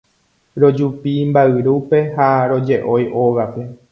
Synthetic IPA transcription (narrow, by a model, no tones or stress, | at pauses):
ɾo̞d͡ʒupimbaɨɾupe̞haɾo̞d͡ʒe̞ʔo̞jʔowape̞